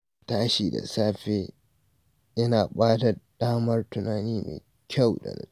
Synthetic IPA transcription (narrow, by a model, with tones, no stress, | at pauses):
taː˦ʃiː˨da̰˨saː˦ɸeː˦ | ʔɪ˦naː˨ɓaː˦ta˨ɗaː˦mɐ˦rtʊ˨naː˨niː˦mḛ˨ | kʲʰa˦wɗɐ̰˨n